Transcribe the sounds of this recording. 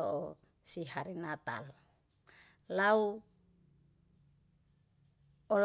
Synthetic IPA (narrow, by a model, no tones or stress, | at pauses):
ɔʔɔ | siɦaɾinat̪a̰l | lau | ɔl